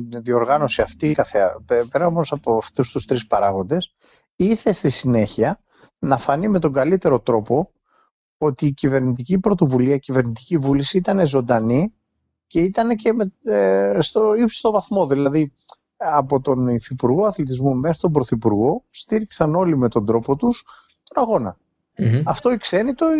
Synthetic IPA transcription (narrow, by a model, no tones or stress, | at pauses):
nðio̞ɾɣɐno̞siɐft̪ikɐθeɐ̰peɾɐomosɐpoft̪ust̪ust̪ɾispɐɾɐɣo̞nd̪e̞s | iɾθe̞st̪isine̞çiɐ | nɐfɐnime̞t̪o̞ɡɐlit̪e̞ɾo̞t̪ɾo̞po̞ | o̞t̪iːcive̞ɾnit̪̬icipɾo̞t̪o̞vuliɐicive̞ɾnit̪i̥civulisiit̪ɐne̞zo̞nd̪ɐni | ce̞it̪ɐnece̞me | st̪oipsi̥st̪o̞vɐθmo̞ðilɐði | ɐpo̞t̪o̞nfipuɾɣo̞ɐθlit̪̬izmumexɾi̥t̪o̞mbɾo̞θipuɾɣo̞st̪iɾiksɐno̞lime̞t̪o̞nd̪ɾo̞po̞t̪us | t̪o̞nɐɣo̞nɐ̰ | ɐft̪o̞ikse̞nit̪o̞